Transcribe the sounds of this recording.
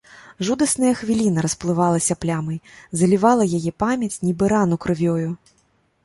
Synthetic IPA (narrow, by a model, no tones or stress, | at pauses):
ʐud̪ɐsnɐjɐxvʲilʲinɐɾɐsplˠɨvalˠɐsʲɐplʲamɨjzɐlʲivalˠɐjajɛpamʲjɐt͡sʲnʲibɨɾanukɾɨvʲɔju